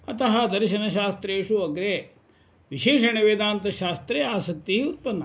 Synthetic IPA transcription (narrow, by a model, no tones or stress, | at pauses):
ɐt̪ɐɦɐd̪ɐɾʃɐnɐʃaːst̪ɾeːʂuʋɐɡɾe | ʋiʃeːʂɐniʋeːd̪aːnt̪ɐʃaːst̪ɾeaːsɐk̚t̪iɦiut̪̚pɐnːɐ